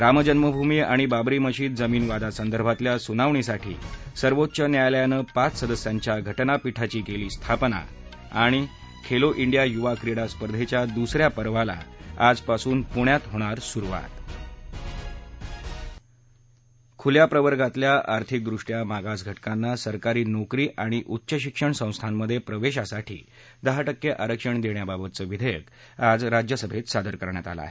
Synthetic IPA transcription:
ɾaməd͡ʑənməbʱumiːaɽ̃ibabɾiːməɕiːt̪̚d͡zəmiːnʋad̪asənd̪əɾbʱat̪ljasunaʋɳ̃isaʈʰḭːsəɾʋot̪ːɕənjajljanəːpat͡ssəd̪əsjaɲt͡ɕjaɡʱəʈnapiʈʰat͡ɕiːkeliːst̪ʰapna̰ | aɽ̃i | kʰeloʔiɳɖijajuʋakɾiɽaspəɾd̪ʱet͡ɕjad̪usɾjapəɾʋala̰ad͡zpasuːnpuɳjat̪ɦoɽ̃aɾsuɾuʋa̰t̪ | kʰuljapɾəʋəɾɡat̪ljaʔaɾt̪ʰik̚d̪ɾuʂʈjamaɡasɡʱəʈkanːasəɾkaɾiːnokɾiːʔaɽ̃iʔut̪ːɕəɕ̬ikʂəɳsə̃w̃st̪ʰanːəd̪ʱːjepɾəʋeɕasaʈʰḭː | d̪əɦaʈəkːeʔaɾəkʂəɳd̪eɳjababət̪̚t͡səːʋid̪ʱəjəkad͡zɾad͡ʑjəsəbʱet̪sad̪ʱəɾkəɾɳja̰t̪a̰la̰ɦe

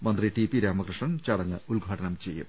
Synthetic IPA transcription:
mɐnd̪riʈipiɾaːmɐkɾɨʂɳɐmt͡ɕɐɽɐŋːɨulɡʱaːʈɐnɐmt͡ɕe̞jːṵm

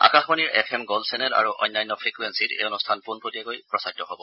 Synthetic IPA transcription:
a̰kaxmɔniɹɛpʰɛmɡɔlsɛnɛta̰ɹuʔɔ̰jnːajnːɔpʰɹikuwensitḛonustʰanpunpoliakojpɹɔsaɡ̚tɔɦobɔ

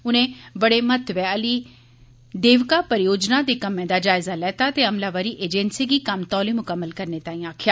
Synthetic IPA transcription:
ʊnẽːbəɽeːmət̪ʋɛːəliː | d̪eːʋkaːpəɾɪjoːd͡ʒnaːd̪eːkəmːẽːd̪aːd͡ʒaːɪzaːlɛːt̪aːt̪eːəmlaːʋaːɾiːʔeːd͡ʒɛ̃nsiːɡiːkəmt̪ɔːliːmʊkəmːəlkəɾneːt̪aːĩːaːkʰɪjaː

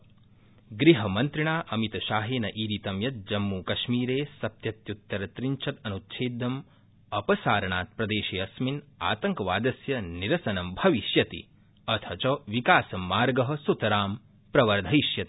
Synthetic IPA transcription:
ɡɾiɦɐmɐnt̪ɾiɳaːʔɐmit̪ɐʃaːɦeːnɐʔiːɾit̪ɐmjɐt̪̚d͡ʒɐmːuːkɐʃmiːɾeːsɐpt̪jɐt̪jut̪ːɐɾɐt̪ɾiɲt͡ʃʰɐt̪ɐnut̪ːʃʰeːd̪ɐm | ɐpɐsaːɾɐɳaːt̪̚pɾɐd̪eːʃeːɐsmina̰ːt̪ɐŋkɐʋaːd̪ɐsjɐniɾɐsɐnɐmbʱɐʋiʃjɐt̪ḭ | ɐt̪ʰɐt͡ʃɐʋikaːsɐmːaːɾɡɐɦɐ̆sut̪ɐɾaːm | pɾɐʋɐɾd̪ʱɐiʃjɐt̪i̥

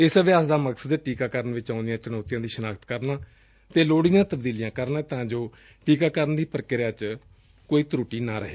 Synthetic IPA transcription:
ɪsəʋɪjaːsd̪aːməksəd̪ʈiːkaːkəɾənʋɪt͡ʃãːʊnd̪ɪjãːt͡ʃənɔːt̪ɪjãːd̪iːʃnaːkt̪kəɾnaː | t̪eːloːɽɪjãːt̪əb̚d̪iːlɪjãːkəɾnaːt̪ãːd͡ʒoː | ʈiːkaːkəɾənd̪iːpəɾkɪɾjaːt͡ʃ | koːiːt̪ɾuːʈiːnaːɾə̰ɦeː

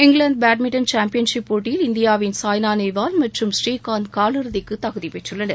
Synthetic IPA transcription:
ɪŋɡlɐɳɖ̚baːʈ̚mɪʈːɐnt͡ʃaːmpɪjɐnʂɪpːoːʈːɪjɪlɪnd̪ɪjaːʋɪnsaːjnaːnɐɪʋaːlmɐʈrɯmsʈiːkaːnkaːlɯɾɯðɪkːɯt̪ːɐɣɯðipɛʈrɯlːɐnɐɾ

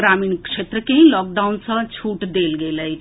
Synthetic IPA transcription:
ɾaːmiːnkʃeːt̪ɾəkeɦĩlɔːk̚ɖaːʊnsə̃t͡ʃʰuːʈd̪eːlɡeːlə

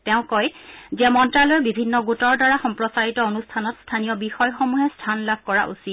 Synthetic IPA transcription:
tɛʊ̃kɔjziamɔntɹalɔɹbibʱinːɔɡutɔɹdaɹaxɔmpɹɔsaɹitɔonustʰanɔtstʰanijɔbixɔjxɔmuɦɛstʰanlab̚ʱkɔɹa̰ʔṵsit

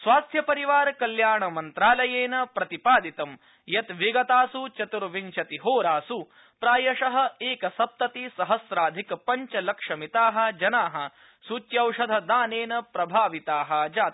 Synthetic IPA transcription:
sʋaːst̪ʰjɐpɐɾiʋaːɾkɐljaːɳɐmɐnt̪ɾaːlɐjeːnɐpɾɐt̪ipaːd̪it̪ɐm | jɐt̪ʋiɡɐt̪aːsut͡ʃɐt̪uɾʋiɲt͡ʃɐt̪iɦoːɾaːsu | pɾaːjɐʂɐɦɐ̆eːkɐsɐp̚t̪ɐt̪isɐɦɐsɾaːd̪ʱikpɐɲt͡ʃɐlɐkʂɐmit̪aːɦɐ̆d͡ʒɐnaːɦɐ̆ | sut͡ʃ̪jɐwʂɐd̪ʱɐd̪aːneːnɐpɾɐbʱaːʋit̪aːɦɐd͡ʒaːt̪

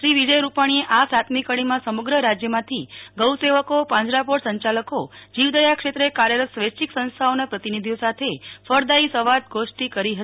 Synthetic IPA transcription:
ʃɾiʋid͡ʒəjɾupaɽ̃ieʔasat̪mikəɽ̃imãsəməɡɾəɾad͡ʒjəmãt̪ʰiɡəwseʋəkopãɲd͡ʒɾapoɽsə̃ɲt͡ʃaləkod͡ʒiʋd̪əjakʃet̪ɾəekaɾjəɾət̪sʋet͡ʃiksə̃nst̪ʰaonapɾət̪inid̪ʱijosat̪ʰefəɾd̪aisəʋad̪̚ɡʱoʃʈ̪ikəɾiɦət̪i

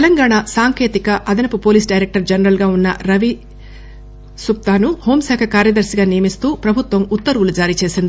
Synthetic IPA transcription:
t̪ɛlɐŋɡaːɳasaːŋke̞ːt̪ikɐʔɐd̪ɐnɐpupo̞ːliːsɖɐjɾek̚ʈɐɾd͡ʒɐnɐɾɐlɡaːunːɐɾɐʋi | sup̚t̪aːnuho̞ːmsɛːkʰɐkaːɾjɐd̪ɐɾsiɡaːnijɐmist̪uːpɾɐbʱut̪ʋɐmut̪ːɐɾʋulud͡ʒaːɾiːt͡ʃe̞ːsind̪i

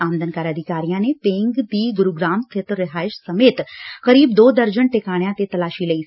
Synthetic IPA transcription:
aːmd̪ənkaːɾəd̪ʱɪkaːɾijãːneːpẽːŋɡd̪iːɡʊɾuːɡɾaːmt̪ʰɪt̪ɾɪɦaːɪʃsəmeːt̪kəɾiːbd̪oːd̪əɾd͡ʒəɳʈɪkaːɽ̃jãːt̪et̪əlaːʃiːləiː

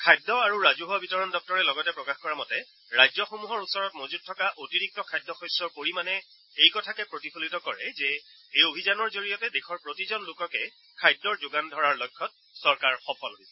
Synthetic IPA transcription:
kʰajdːɔaɹuɹazuɦɔbitɔɹɔndɔk̚tɔɹɛlɔɡɔtɛpɹɔkaxkɔɹamɔtɛ | ɹajzɔxomuɦɔɹusɔɹɔtmozut̚tʰːɔkaʔotiɹik̚tɔkʰajdːɔxɔjsɔɹkoɹimanɛ | ejkɔtʰakɛpɹotipʰolitɔkɔɹɛzɛ | ejobʱizanɔɹzoɹijɔtɛdekʰɔɹpɹotizɔnlʊkɔkɛ | kʰajdːɔɹzoɡandʱɔɹaɹlɔjkʰːɔt̚ | sɔɹkaɹxɔpʰɔloɦisɛ

